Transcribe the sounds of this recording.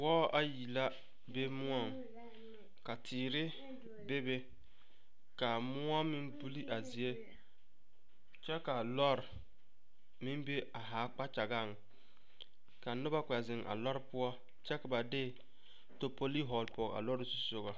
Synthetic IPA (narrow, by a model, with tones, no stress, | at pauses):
wɔ˦ʔa˦ji˨la˦ | be˦mʊ˦ɔ˦˨ŋ | ka˨tʰɪː˨ɾɪ˦ | be˦be˦ | ka˨mʊ˦a˦mɪ˦nbu˦li˦ʔa˨zi˨e˦ | t͡ʃɛ˦ka˨lɔ˦ɾ | mɪ˦mbe˦a˨ɦaː˨˦k͡pa˦t͡ʃa˨ɡa˦˨ŋ˨ | ka˨nʊ˦ba˦kʷɛ˨zɪ˨ŋʔa̰˨lɔ˦ɾɪ˦pʊ˦ɔ˦ | t͡ʃɛ˦ka˨ba˨dɪ˦˨ | to˨po˦li˦ɦɔ˨lpɔ˨a̰˨lɔ˦ɾɪ˦su˦so˦ɣa˨